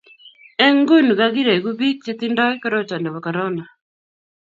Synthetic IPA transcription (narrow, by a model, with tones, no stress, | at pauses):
ɛ˦ŋɡu˦nɡaɣi˦ɾe˨ɡu˦bi˦k̚t͡ʃe˦t̪inda˦jkɔ˦ɾo˦ta˨ndɛ˨wa˨kɔ˨ɾɔ˦na˨